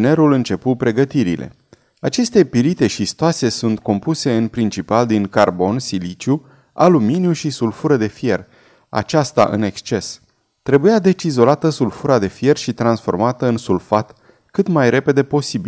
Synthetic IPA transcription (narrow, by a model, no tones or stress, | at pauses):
ne̞ɾulɨnt͡ʃe̞pupɾe̞ɡət̪iɾḭlʔe̞̰ | at͡ʃe̞st̪e̞piɾit̪e̞ʃist̪oase̞sunt̪ko̞mpuse̞ɨnpɾint͡ʃipald̪iŋkarbo̞nsilit͡ʃu | aluminjuʃisulfuɾəd̪e̞fje̞r | a̰t͡ʃast̪a̰ʔɨ̰ne̞kst͡ʃe̞s | t̪ɾe̞bujad̪e̞t͡ʃizo̞lat̪əsulfuɾad̪e̞fje̞rʃit̪ɾansfo̞̰rmat̪əɨnsulfat̪ | kɨt̪majɾe̞pe̞d̪e̞po̞sibi